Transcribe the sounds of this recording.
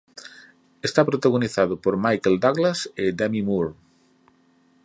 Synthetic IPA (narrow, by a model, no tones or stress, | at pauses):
est̪apɾot̪aɣ̞oniθaðopoɾmajkeld̪aɣlased̪amimuɾ